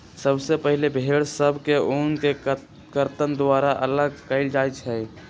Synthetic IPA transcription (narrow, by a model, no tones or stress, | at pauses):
səbsepəɦɪlebʱeːɽsəbʱkeoːnke | kəɾt̪ənd̪aːɾaʔələɡkəɪld͡ʒaːjt͡ʃʰɛː